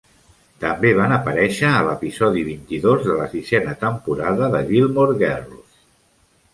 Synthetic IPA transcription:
t̪əmbeβanəpəɾɛʃəːləpizɔðiβint̪iðozðələsizɛnət̪əmpuɾaðəðəɣilˠmoɾɣɛrlus

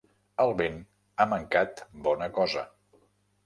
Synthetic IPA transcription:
əlˠβen | aməŋkat̪bɔnəkɔzə

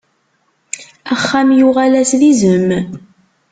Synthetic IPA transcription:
æχːæmjuʁalæslizəm

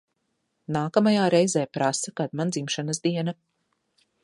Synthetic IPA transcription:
naːkamajaːɾɛjzɛːpɾasakad̪mand̪zimʃanasd̪iɛna

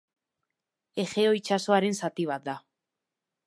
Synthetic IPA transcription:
e̞ʝe̞o̞it͡ʃaso̞aɾe̞nsat̪iβ̞at̪̚d̪a

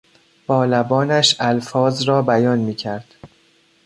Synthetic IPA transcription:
b̥ɒːlæbɒːnæʃælfɒːzɾɒːbæjɒːnmiːcʰæɾd̪̥

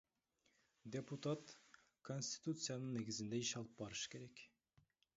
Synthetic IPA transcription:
d̪ʲeput̪at̪ | kʰonʲsʲt̪i̥t̪ut̪sɨjanəɴneɡɪzɪnd̪æeʃɑlˠəp̚bɒɾəʃə̥kʲeɾæk

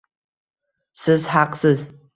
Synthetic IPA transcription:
sɨzhaqsɨz

